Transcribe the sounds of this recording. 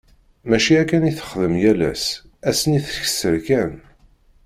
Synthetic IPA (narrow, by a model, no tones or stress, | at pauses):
mæʃiækːæniθə̥χðəmjælæ̰s | æsəniθə̥ç̥səɾkæn